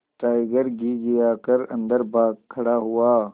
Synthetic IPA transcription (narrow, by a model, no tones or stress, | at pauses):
ʈaːjɡɐɾɡiːɡijaːkɐɾɐ̰̃nd̪ɐɾbaːkkʰːɐɽaɦuwaː